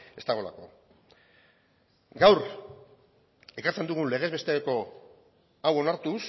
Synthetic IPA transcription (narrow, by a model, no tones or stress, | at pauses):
e̞st̪aɣ̞o̞la̰ko̞̰ | ɡawɾ | e̞kaɾt͡send̪uɣ̞unle̞ɣ̞e̞zβest̪e̞eko̞ | awo̞naɾt̪us